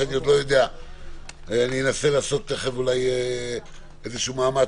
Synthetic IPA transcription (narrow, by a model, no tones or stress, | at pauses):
aniod̪lo̞jo̞d̪ea | anienase̞laːso̞t̪ːeχevulaj | ezeʃuuːmaːma